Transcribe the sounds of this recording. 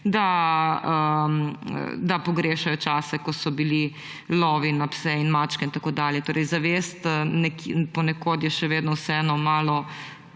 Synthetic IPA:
d̪aəm̰d̪apɔɡɾeːʃajɔt͡ʃaːsɛkɔsɔbili | lɔːʋinapsɛinmaːt͡ʃkɛint̪akoːd̪aːljɛt̪oːɾɛjzaʋeːst̪nɛkpɔnɛkoːt̪jɛʃɛʋeːd̪nɔwsɛɛnɔmaːlɔ

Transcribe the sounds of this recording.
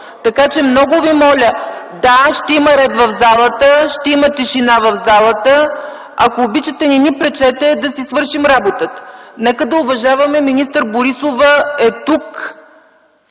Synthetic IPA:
t̪ɐkat͡ʃɛmnɔɡʊvimɔlʲə | d̪aʃt̪ɛimɐɾɛd̪vɐvzalˠət̪əʃt̪ɛimət̪ɛʃinavɐvzalˠət̪ə | ɐkoːbit͡ʃət̪ɛninipɾɛt͡ʃɛt̪ɛd̪ɐsisvɤɾʃimɾabot̪ət̪ə̥nɛkəd̪ɐʊvɐʒavɐmɛminist̪əɾboɾisovəɛt̪uk

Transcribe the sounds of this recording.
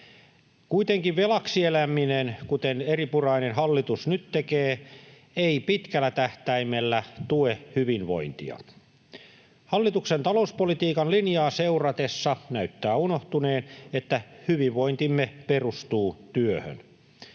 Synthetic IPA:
kuit̪eŋkiʋʋelɑksielæminenkut̪eneripurɑinenhɑlːit̪usnyt̪tekeː | eipit̪kælːˑæt̪æht̪æimelːæt̪uehyʋinʋo̞̰int̪ḭɑ̰ | hɑlːit̪uksent̪ɑlo̞uspolit̪iːkɑnlinjɑːseurɑt̪esːɑnæyt̪ːæːunoht̪uneːnet̪ːæhyʋiʋʋo̞int̪imːeperust̪uːt̪yøhø̰n

